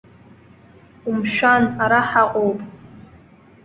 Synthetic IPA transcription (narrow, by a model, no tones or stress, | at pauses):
umʃᶣanaɾaħaqʼowpʼ